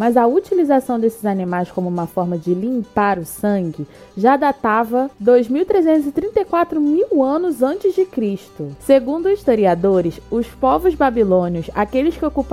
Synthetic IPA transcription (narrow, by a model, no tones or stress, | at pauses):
mɐzɐut͡ʃilizasɐ̃w̃d̪esɪzanĩmajskõmʊũmɐfɔɾmɐd͡ʒɪlĩmpaɾʊsɐ̃ŋɡɪ | ʒad̪at̪avɐd̪ojzmiwt̪ɾezẽnt̪ʊzɪt̪ɾĩnt̪ejkwat̪ɾʊmiwɐ̃nʊzɐ̃t͡ʃɪzd͡ʒɪkɾiʃt̪ʊseɡũnd̪ʊiʃt̪oɾiad̪oɾɪsʊspɔvʊzbabilõniʊsakelɪskɪokup